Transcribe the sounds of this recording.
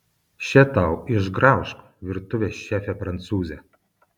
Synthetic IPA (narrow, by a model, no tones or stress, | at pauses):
ʃʲɛt̪ɑˑʊɪʒɡɾɑˑʊʃk | ʋʲɪɾt̪ʊʋʲeʃʲæːfʲɛpɾɐnt̪suːzʲɛ